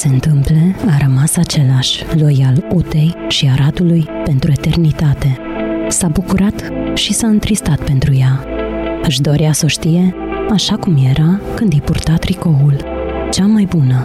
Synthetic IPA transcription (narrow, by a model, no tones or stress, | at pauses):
se̞ɨnt̪ɨmpleaɾəmasat͡ʃe̞laʃʲlo̞jalut̪e̞jʃiaɾat̪ulujpe̞nt̪ɾue̞t̪e̞rnit̪at̪e̞sabukuɾat̪ʃisaɨnt̪ɾist̪at̪pe̞nt̪ɾuja | ɨʃd̪o̞ɾjaso̞ʃt̪ije̞ | aʃakumje̞ɾakɨnd̪ijpurt̪at̪ɾiko̞ult͡ʃamajbunə